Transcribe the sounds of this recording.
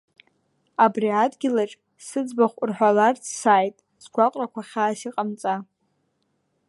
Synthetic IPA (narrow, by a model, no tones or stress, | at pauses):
abriatʼɡʲɪlaʈ͡ʂʼ | sɨd͡zbaχʷʊrħʷᶣalart͡sʰsaːjtʼ | sɡʷaqʼrakʷʰaχʲaːsiqʼamt͡sʼa